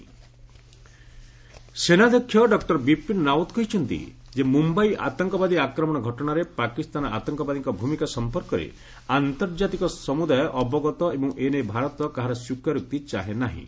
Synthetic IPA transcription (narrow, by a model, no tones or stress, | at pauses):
senad̪ɔkʰːjɔɖɔkʈɔɾbipinnawt̪kɔɦit͡ʃʰɔnt̪ḭ | d͡ʒemumbaiʔa̰t̪ɔŋkɔbad̪iakɾɔmɔɽ̃ɔɡʱɔʈɔɽ̃aɾepakist̪anɔa̰t̪ɔŋkɔbad̪iŋkɔbʱumikasɔmpɔɾkɔɾḛ | ant̪ɔɾd͡ʒat̪ikɔsɔmud̪ʱajɔʔɔbɔɡɔt̪ɔebɔ̃ŋ̃ʔenebʱaɾɔt̪ɔkaɦaɾɔsukaɾuk̚t̪it͡ʃaɦenaɦḭ̃